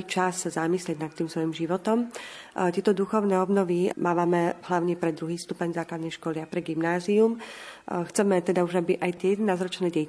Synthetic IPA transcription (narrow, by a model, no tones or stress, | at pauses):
t͡ʃasːazamislɪɛɟnat̪ːiːmsʋɔjimʒiʋɔt̪ɔm | t̪ɪɛt̪ɔd̪uxɔʊnɛːɔbnɔʋimaːʋamɛɦlaʊɲɛpɾɛd̪ɾuɦiːst̪upɛɲzaːklad̪nɛjʃkɔlɪapɾɛɡimnaːziumxt͡sɛmɛt̪ɛd̪auʒabiʔajt̪ɛjɛd̪ɛnaːzɾɔt͡ʃnɛːɟɛ